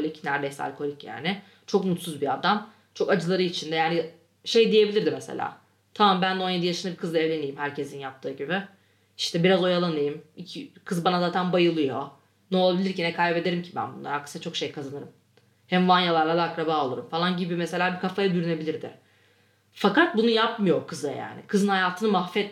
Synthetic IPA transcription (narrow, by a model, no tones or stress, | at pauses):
olʲicnæɾd̪ejsa̰lʲkʰo̞lʲicja̰ːnɪ | t͡ʃʰo̞kmut̪suzbiad̪am | t͡ʃʰo̞kad͡ʒɯlˠaɾɯit͡ʃʰind̪ɛjaːnɪ | ʃe̞jd̪ije̞bilʲiɾd̪imesḛlʲa̰ː | t̪ʰamambænd̪ɛonjed̪ijaʃɯnd̪abikʰɯzaevlʲe̞nijimhæɾcʰe̞sinjap̚t̪ʰɯːɟibɛ | i̥ʃt̪ʰɛbiɾazo̞jalˠanɯjɯmicʰikʰɯzbanazaːt̪ʰænbajɯlˠɯjo̞ | nɛo̞lˠabilʲiɾcinɛkʰajbe̞d̪e̞ɾimcʰibæ̰nbunːˠa̰ɾakʰːɯ̥sat͡ʃʰo̞kʃe̞jkʰazanɯɾɯm | hɛmvanjalˠaɾlˠad̪aːkɾabaːo̞lˠuɾumfalˠanɟibimese̞lʲaːbikʰafajad̪yɾyne̞bilʲiɾd̪ɪ̰ | fakat̪̚bunujapmɯjo̞ɾkʰɯzaja̰ːnɪ̰kʰɯzɯnhajaːt̪ʰɯnɯmaxfɛt̪